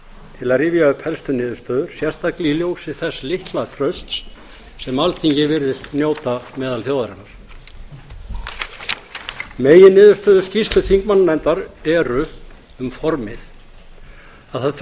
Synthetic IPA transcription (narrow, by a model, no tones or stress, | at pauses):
t̪ʰɪlaðrɪvjaʏpʰɛlst̪ʏnɪːðʏɾ̥st̪œːðʏɾ̥sjɛ̥st̪akliljowsɪθɛsːlɪht̪lat̪ʰɾœɥst̪s | sɛmalt̪ʰiɲcɪvɪɾðɪst̪njoːwt̪amɛːðalθjowðaɾɪnːaɾ̥ | meːjɪnɪːðʏɾ̥st̪œːðʏɾ̥scist̪lʏθiŋkmanːlɛnt̪aɾɛɾʏ | ʏmfɔɾmɪθ | aðθað